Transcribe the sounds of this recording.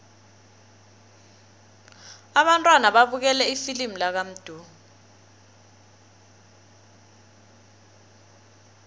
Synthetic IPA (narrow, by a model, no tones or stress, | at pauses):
aɓantʼwanaɓaɓuk̬ɛlɛifilim̩lak̬am̩d̥ʱu